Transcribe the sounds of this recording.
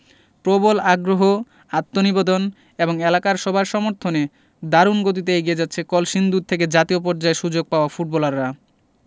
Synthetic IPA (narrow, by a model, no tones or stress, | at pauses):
pɾobolaɡɾoɦo | at̪ːonibed̪on | eboŋelakaɾʃɔbʱaɾʃɔmoɾt̪ʰone | d̪aɾunɡot̪̬it̪̬eeɡied͡ʑat̪ːɕʰekɔlʃind̪ud̪̚t̪ʰek̬ed͡ʑat̪iop̬ɔɾd͡ʑaeʃud͡ʑoɡ̚paoafuʈ̚bɔlaɾːa